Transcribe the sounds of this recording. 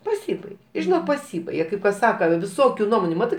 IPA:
pɐˈsʲiːbɐɪɡʲɛ ɪ ʒʲɪˈnoːk pɐˈsʲiːbɐɪɡʲɛ kɐɪp kɐs ˈsɑːkɐ ʋʲɪˈsoːkʲuː ˈnuɔmoːnʲuː ˈmɑːtɜ

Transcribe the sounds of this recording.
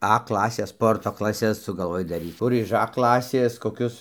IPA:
ɐ ˈklˠɑːsʲeːs ˈspoːrtoː klˠɐˈsʲɛs sʊɡɐlˠˈʋoːj dɐˈrʲiːt͡s ˈkʊr ɪʃ ɐ ˈklˠɑːsʲeːs koːˈkʲʊs

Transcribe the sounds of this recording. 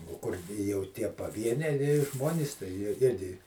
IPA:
oː ˈkʊr jɛʊ ˈtʲiɛ pɐˈʋʲiɛnʲɛɪ ˈʒmoːnʲiːs tɐɪ jiɛ ˈɪrʲɡʲɪ

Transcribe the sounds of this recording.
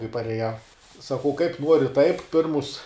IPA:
kɐɪ pɐrʲɛˈjɛʊ sɐˈkɐʊ kɐɪp ˈnoːrʲɪ tɐɪp ˈpʲɪrmʊs

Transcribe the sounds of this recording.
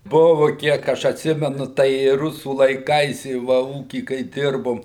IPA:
ˈbʊʋʊ ˈkʲiɛk ɐʃ ɐtʲˈsʲɪmʲɛnʊ ˈtɐɪ ɪ ˈrʊsuː lˠɐɪˈkɐɪs ɪ ˈʋɐ ˈuːkʲiː kɐɪ ˈdʲɪrboːm

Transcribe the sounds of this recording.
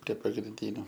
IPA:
pʲrʲiɛ pɐɡrʲɪnʲˈdʲiːnʲʊ

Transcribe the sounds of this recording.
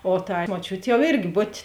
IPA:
oː tɐɪ moːˈt͡ʃʲʊtʲ jɛʊ ˈɪrʲɡʲɪ ˈbʊtʲeː

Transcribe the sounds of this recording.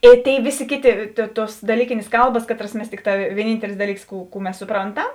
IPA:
ˈeː ˈtʲeːɪ ˈʋʲeːˌsʲeː ˈkʲeːˌtʲeː tʲeː ˈtuɔs dɐˈlʲiːkʲeːnʲeːs ˈkɐlˠbɐs ˈkɑːˌtrɐs ˈmʲɛs ˈtʲɪkˌtɑː ʋʲiɛˈnʲiːnʲtʲɛlʲɪs ˈdɑːˌlʲiːks ˈkuː kuː ˈmʲɛs sʊˈproːnˌtɐm

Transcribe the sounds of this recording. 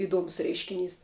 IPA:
ɪˈduɔmʊs ˈrʲɛɪʃʲkʲɪnʲiːs

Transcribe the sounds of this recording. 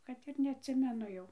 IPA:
ˈkɐt ɪr nʲɛɐtʲˈsʲɪmʲɛnʊ ˈjɛʊ

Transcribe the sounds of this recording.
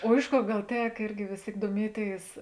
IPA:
oː ˈɪʃ ˌkoːr ˈɡɐlˠ ˈtʲɛk ˈɪrʲɡʲɪ ˈʋʲeːs ˌtʲeːɪk duɔˈmʲiɛˌtʲeːɪs

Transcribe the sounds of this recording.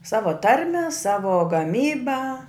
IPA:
ˈsɑːʋoː ˈtɐrʲmʲɛ ˈsɑːʋoː ɡɐˈmʲiːbɐ

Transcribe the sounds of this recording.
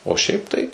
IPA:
oː ˈʃʲɛɪp tɐɪ

